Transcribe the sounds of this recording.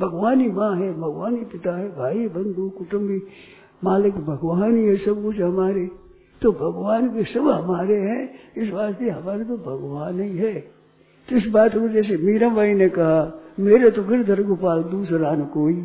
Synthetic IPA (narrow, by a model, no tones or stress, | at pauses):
bʱɐɡʋaːnimãːɦɛbʱɐɡʋaːnipɪt̪aɦɛbʱaːibɐ̃nd̪ʱukʊʈʊ̃mbi | maːlɪkbʱɐɡʋaːniɦɛsɐbkʊt͡ʃɦɐmaːɾe | t̪obʱɐɡʋaːnkesɐbɦɐmaːɾeɦɛ̃ɪs̬ʋaːst̪eɦɐmaːɾet̪obʱɐɡʋaːnːɐĩɦɛː | t̪ɪs̬baːt̪kod͡ʒɛːs̬emiːɾãbaːinekɐɦameːɾet̪oɡɪɾd̪ʱɐɾɡupaːld̪uːsɾaːnekoːi